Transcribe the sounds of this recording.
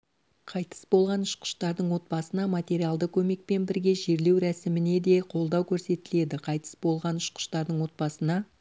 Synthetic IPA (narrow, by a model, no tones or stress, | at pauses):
qʰɑjt̪ə̥sbolˠʁɑnʊʃqə̥ʃt̪ɑɾd̪əɴwo̞t̪̚bɑsənɑmat̪ʲe̞ɾialˠd̪əkʲʰɵme̞k̚pe̞nbɪɾɡʲe̞ʒe̞ɾle̞wɾæsɪmɪne̞d̪e̞qʰo̞lˠd̪ɑwkʲʰɵɾse̞t̪ɪle̞d̪ɪqʰɑjt̪ə̥sbo̞lˠʁɑnʊʃqə̥ʃt̪ɑɾd̪əɴwo̞t̪̚bɑsənɑ